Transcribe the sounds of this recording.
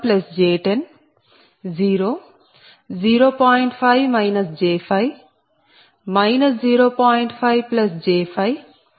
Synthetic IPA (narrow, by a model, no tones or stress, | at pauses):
plɐsd͡ʒeːʈen | ziːɾoː | ziːɾoːpaːiɳʈpʰajʋmajnɐsd͡ʒeːpʰɐj | majnɐsd͡ʒiːɾoːpaːjiɳʈpʰajʋplɐsd͡ʒeːpʰɐj